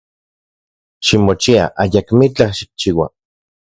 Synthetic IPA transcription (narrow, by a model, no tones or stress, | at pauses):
ʃimot͡ʃia̰ʔajakmit͡ɬahʃi̥k̚t͡ʃiːwa̰